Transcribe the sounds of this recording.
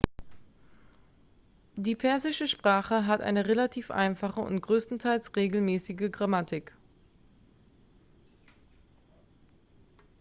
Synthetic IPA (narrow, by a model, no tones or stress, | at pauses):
diːpʰɛɐzɪʃəʃpʁ̥aːχəɦatʔa̰ɪnəʁelatʰiːfʔa̰ɪnfaχəʊ̰ntɡ̥ʁøːstn̩tʰaɪlsʁeːɡl̩mɛːsɪɡəɡʁamatʰɪk